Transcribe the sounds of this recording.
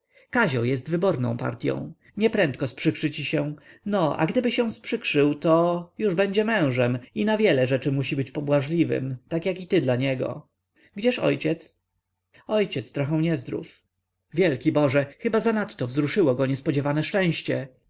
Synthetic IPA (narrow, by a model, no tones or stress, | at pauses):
kaʑɔ̃wjɛst̪vɘbɔɾnɔ̰̃w̃pa̰ɾt̪ʲjɔ̰̃w̃ | ɲɛpɾɛnt̪̚kɔspʂɘkʂɘt͡ɕiɕɛ̃nɔʔa̰ɡd̪ɘbɘɕɛw̃spʂɘkʂɘwt̪ɔjuʐbɛɲd͡ʑɛmɛ̃w̃ʐɛminavʲjɛlɛʐɛt͡ʂɘmuɕibɘt͡ɕpɔbwaʐlʲivɘ̰mt̪akjakit̪ɘd̪laɲɛɡɔ̰ | ɡd͡ʑɛʂɔ̰jt͡ɕɛt̪s | ɔjt͡ɕɛt̪st̪ɾɔxɛ̃w̃ɲɛzd̪ɾṵf | vʲjɛlkʲibɔʐɛxɘbazanat̪ːɔvzɾuʂɘwɔɡɔɲɛspɔd͡ʑɛvanɛʂt͡ʂɛ̃w̃ɕt͡ɕɛ